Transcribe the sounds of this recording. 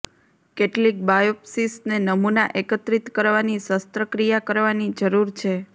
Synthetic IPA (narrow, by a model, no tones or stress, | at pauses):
keʈlik̚bajopsisnenəmunaʔekət̪ɾit̪kəɾʋanisəst̪ɾəkɾijakəɾʋanid͡ʒəɾuɾt͡ʃʰe